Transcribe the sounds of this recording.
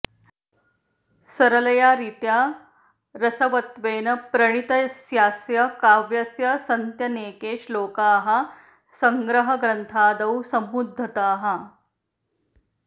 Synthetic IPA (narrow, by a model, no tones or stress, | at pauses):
sɐɾɐlɐjaːɾiːt̪jaː | ɾɐsɐʋɐt̪ʋeːnɐpɾɐɳ̃it̪ɐsjaːsjɐkaːʋjɐsjɐsɐnt̪jɐneːkeːʃloːkaːɦɐ | sɐŋɡɾɐɦɐɡɾɐnt̪ʰaːd̪ɐwsɐmːud̪ʱːɐt̪aːɦɐ